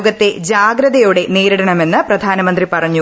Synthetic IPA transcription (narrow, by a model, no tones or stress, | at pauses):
ɡɐt̪ːe̞d͡ʑaːɡɾɐðɐjuɽe̞niːɾɐɽɐɳɐme̞nːɨprɐd̪ʱaːnɐmɐnd̪ripɐrɐɲːu